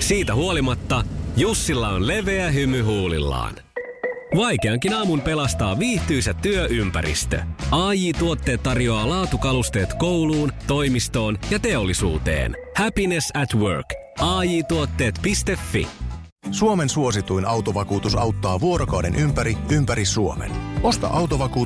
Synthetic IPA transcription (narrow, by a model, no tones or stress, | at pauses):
siːt̪æɦuo̞limɑt̪ːɑjusːilːɑonle̞ʋe̞æɦymyɦuːlḭlːɑ̰ːn | ʋɑjke̞ɑŋkinɑːmumpe̞lɑst̪ɑːʋiːht̪yjsæt̪ːyøʔympæ̰ɾḭst̪ø̰ɑːjiːt̪uot̪ːe̞ːt̪ːɑrjo̞ɑːlɑːt̪ukɑlust̪e̞ːt̪ko̞wluːnt̪o̞jmist̪o̞ːnjɑt̪e̞o̞lːisṵːt̪e̞̰ːnhæpinesæt̪wø̰rk | ɑːjiːt̪uot̪ːe̞ːt̪pist̪e̞fːḭ | suome̞nsuo̞sit̪uijnɑwt̪oʋɑkuːt̪usɑwt̪ːɑːʋuoɾokɑwdḛnʔympæɾiympæɾisuomḛno̞st̪ɑ̰ʔɑwt̪oʋɑkuː